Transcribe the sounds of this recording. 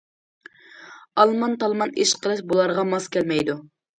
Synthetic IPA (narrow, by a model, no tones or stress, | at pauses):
ɑlˠmɑnt̪ɑlˠmɑneʃqʰəlˠɨʃbolˠɑɾʁɑmɑskʲʰɛlmɛjd̪u